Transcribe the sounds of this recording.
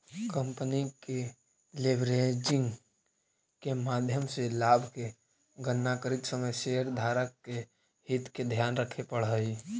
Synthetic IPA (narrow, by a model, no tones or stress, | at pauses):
kə̃mpnike | leʋɾed͡ʒɪ̃ŋɡ | kemaːd̪ʱjəmselaːbʱke | ɡənːakəɾɪk̪səməjseəɾd̪ʱaːɾəkːe | hɪt̪ked̪ʱjaːnɾəkʰepəɽɦəi